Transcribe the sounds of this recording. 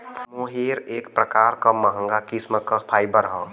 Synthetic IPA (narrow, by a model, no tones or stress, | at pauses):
moːɦeːɾeːkpɾəkaːɾkaməɦə̃ŋɡakisməkapʰaːɪbəɾɦɔ